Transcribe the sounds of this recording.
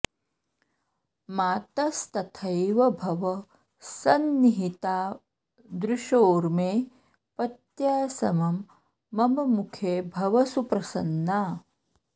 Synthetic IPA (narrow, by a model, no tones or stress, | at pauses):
maːt̪ɐst̪ɐt̪ʰɐjʋɐbʱɐʋɐ | sɐnːiɦit̪aː | d̪ɾuʃoːɾmeː | pɐt̪jaːsɐmɐmː | ɐmɐmukʰeːbʱɐʋɐsupɾɐsɐ̰nːaː